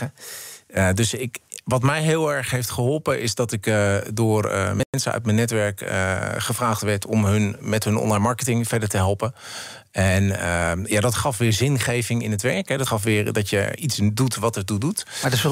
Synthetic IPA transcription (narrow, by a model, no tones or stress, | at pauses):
ə | ədɵsɪkʋɑtmɛjɦɪːlˠɛɹχɦejftχəɦɔlˠpəʔɪsdɑtɪkdʊːrə̰mɛnsəœ̰ɥt̚mənːɛtʋɛɹkə̰χəfraːχtʋɛɹtʰɔmɦɵnmɛtɦɵnɔ̰nlajnmɑɹkətɪŋfɛɹdəɹtəɦɛlˠpə | ɛnəjadɔtχɑfʋɪːɹzɪnχejvɪŋɪnətʋɛɹkɦɛdɔtχɑfʋɪːɹdɑtjə̰itsdutʋɑtətudutad